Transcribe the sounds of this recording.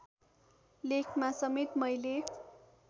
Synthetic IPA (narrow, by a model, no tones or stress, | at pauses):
lekʰmasʌmet̪mʌjle